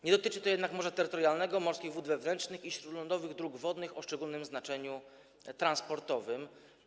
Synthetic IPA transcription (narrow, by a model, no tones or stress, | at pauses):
ɲɛd̪ɔt̪ɘt͡ʂɘt̪ɔjɛd̪nakmɔʐɛt̪ɛɾːɘt̪ɔɾʲjalnɛɡɔmɔɾskʲiɣvud̪vɛvnɛntt͡ʂnɘxiɕɾud̪lɔnd̪ɔvɘɣd̪ɾuɡvɔd̪nɘxɔʂt͡ʂɛɡulnɘmznat͡ʂɛɲu | t̪ɾanspɔɾt̪ɔvɘm